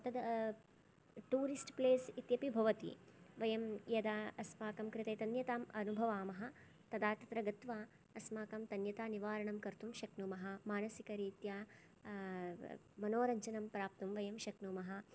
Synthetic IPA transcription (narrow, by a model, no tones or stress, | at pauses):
ɐt̪ɐd̪ | ʈuːɾisʈpleːsit̪jɐpibʱɐʋɐt̪ḭʋɐjɐmjɐd̪aːɐsmaːkɐmkɾɪt̪ɐjt̪ɐnjɐt̪aːmɐnubʱɐʋaːmɐɦɐ̆ | t̪ɐd̪aːt̪ɐt̪ɾɐɡɐt̪ʋaː | ɐsmaːkɐmt̪ɐnjɐt̪aːniʋaːɾɐɳɐmkɐɾt̪umʃɐknuːmɐɦɐ̆maːnɐsikɐɾiːt̪jaː | mɐnoːɾɐɲt͡ʃɐnɐmpɾaːp̚t̪umʋɐjɐmʃɐknuːmɐɦɐ̆